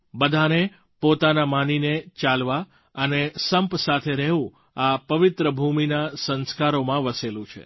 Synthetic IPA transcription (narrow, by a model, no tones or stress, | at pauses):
bəd̪ʱane | pot̪anamaninet͡ʃalʋa | ənesəmpsat̪ʰeɾɛɦʋũ | apəʋɪt̪ɾəbʱuminasənskaɾomãʋəselũt͡ʃʰḛ